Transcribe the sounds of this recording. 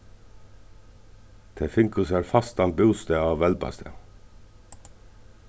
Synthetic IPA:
t̪ʰeːfɪŋkʉsæːɾfɑst̪ɑnbʉːst̪eɑːʋʋɛlbɑ̰st̪ʰə̰

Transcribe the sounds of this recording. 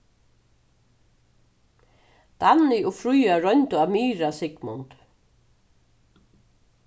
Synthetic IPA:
t̪anɪʊfɾujaɾœnt̪ʊamiːɾasɪkmʊnt̪

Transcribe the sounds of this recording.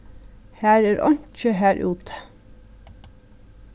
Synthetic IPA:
hæːɾæːɾʔɔ̰nt͡ʃəɦæːɾʔʉ̰ːt̪ʰə̥

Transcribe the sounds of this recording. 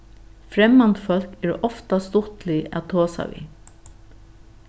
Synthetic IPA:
fɾɛmːant̪fœl̥kɛɾɔft̪ast̪ʊht̪lɪæ̰t̪ʰoːsa̰ʋḭ

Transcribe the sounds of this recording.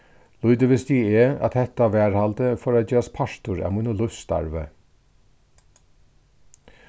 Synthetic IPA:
lʊʏd̪əʋɪst̪iːeːɑ̰t̪hɛt̪ɑʋæːɹhɑlt̪əfɔɾɑːd͡ʒøːɑspʰɑʃt̪ʊɹæ̰ːmʊnʊlʉst̪ɑ̰ɹʋə̰

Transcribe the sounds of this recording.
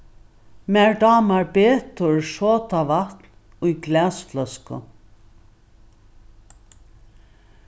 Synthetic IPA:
mæɹɖaːmaɹbeːt̪ʊɹʃoːt̪avat̪n | ʊjɡlɛːsflœskʊ̰

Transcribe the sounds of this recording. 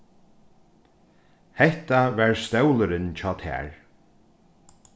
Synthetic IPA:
hɛht̪avɛɹst̪ɛwləɾɪnt͡ɕʰɔːt̪ʰɛ̰ːɹ

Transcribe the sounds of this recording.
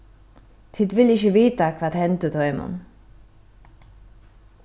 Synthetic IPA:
t̪ʰɪt̪ʋɪlɪçəʋiːt̪akʰʋaːd̪hɛnt̪əd̪ʰɔʏmɔ̰n

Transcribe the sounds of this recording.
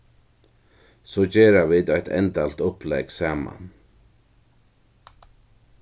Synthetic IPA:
sɔt͡ɕɛːɾaviːt̪ajht̪ʰɛ̰nt̪alt̪ʊplɛksaːma̰n

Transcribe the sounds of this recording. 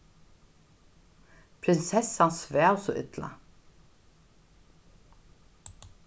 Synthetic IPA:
pʰɾɪnsɛsansvɛːwsɔʔʏ̰t̪la̰

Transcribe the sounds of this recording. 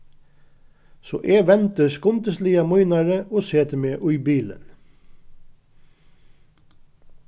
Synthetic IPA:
so̰ːʔeːʋɛnt̪əskʊmt̪əsliːɑmʊʏnɑɹəoːseːt̪əmeːʔʉʏbiːlə̰n

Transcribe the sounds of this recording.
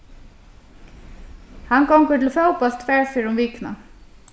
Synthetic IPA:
hankɔwŋkʏt̪ʰɪlfœwpast̪fɛːɹfɪːɾʊmviːkna̰

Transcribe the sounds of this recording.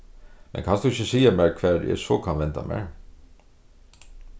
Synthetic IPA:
mʔɛ̰nkʰɑnsd̪ʉɪçəsiːəmæːɹkʰʋæːd̪̰jɛ̰sɔkʰɑnʋɛnt̪ɑ̰mæ̰ɹ

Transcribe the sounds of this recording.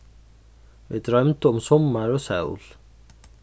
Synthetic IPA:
vɪ̰d̪ɾœmt̪əʊmsɔmːaɾɔsa̰wl̥

